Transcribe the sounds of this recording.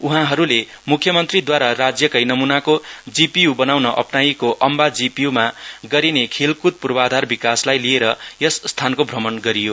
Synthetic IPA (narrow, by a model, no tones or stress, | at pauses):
uɦãɦʌɾule | mukʰjʌmʌnt̪rid̪waɾarad͡zjʌkʌjnʌmunakod͡zipijubʌnawnʌʔʌ̰pnaikoʔʌmbad͡zipijumaɡʌɾinekʰelkut̪̚purbʌad̪ʱarbikaslajlieɾʌjʌsːt̪ʰankobʱrʌmʌnɡʌɾijo